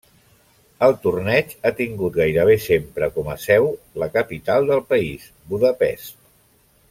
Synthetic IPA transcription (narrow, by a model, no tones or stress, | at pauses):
əlˠt̪urnɛt͡ʃat̪iŋɡut̪̚ɡajɾəβ̞esempɾəkɔməsɛwləkəpit̪alˠd̪əlˠpəis | buðəpɛ̰s